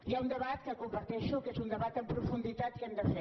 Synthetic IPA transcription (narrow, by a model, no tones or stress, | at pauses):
iɛund̪əβat̪kəkumbəɾt̪ɛʃukezund̪əβat̪əmpɾufund̪it̪at̪iənd̪əfɛ